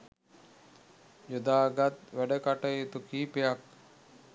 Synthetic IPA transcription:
jud̪aːɡat̪̚ʋæɖəkaʈəjit̪ukiːpejak

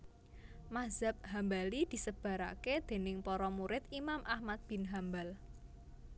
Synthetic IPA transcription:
maz̥ap̚ɦambalid̪̥i̤səb̥a̤ɾa̰ked̪̥e̤nɪŋpɔɾɔmuɾɪt̪imamʔahmat̪̚b̥ɪ̤nɦambal

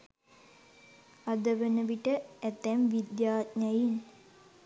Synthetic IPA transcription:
ad̪əʋənəʋiʈəæt̪ɛmʋid̪jaːt̪̚ɲajin

